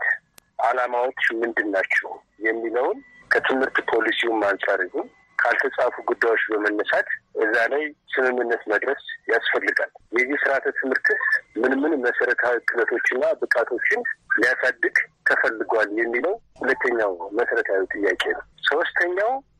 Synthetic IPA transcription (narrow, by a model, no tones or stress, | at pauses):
t̪ʔalamawot͡ʃːmɨnd̪ɨnːat͡ʃːɛw | jɛmːiləwnkʰət̪ʰɨmhɨɾt̪pʰo̞lisimːansʼaɾɨhun | kʰalt̪ʰəsʼafuɡud̪ːajwo̞t͡ʃːbəmənːəsat̪ʔɨzːalajsɨmɨmːɨnːət̪məd̪ɾəsjasfəlːɨɡaljɛzːihsɨɾat̪ʰət̪ʰɨmhɨɾk̪ʰɨsmɨnmɨnməsəɾət̪ʰawikʰɨlət̪ʰo̞t͡ʃːɪnːabɨkʼat̪ʰo̞t͡ʃːɪnlijasad̪ːɨɡt̪ʰəfəlːɨɡʷaljɛmːiləwhulət̪ːəɲːawməsəɾət̪ʰawit̪ʼɨjːakʼe̞nəwso̞st̪ʰəɲːaw